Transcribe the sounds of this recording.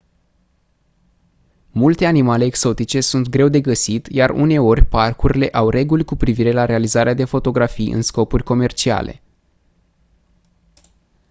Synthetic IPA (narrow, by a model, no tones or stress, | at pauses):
mult̪e̞animale̞ːkso̞t̪it͡ʃe̞sunt̪̚ɡɾe̞wd̪e̞ɡəsit̪jarṵne̞o̞rʲparkuɾile̞ʔawrʔe̞ɡulʲkupɾiviɾe̞laɾe̞alizaɾead̪e̞fo̞t̪o̞ɡɾafijʔɨ̰nsko̞purʲko̞me̞rt͡ʃia̰lḛ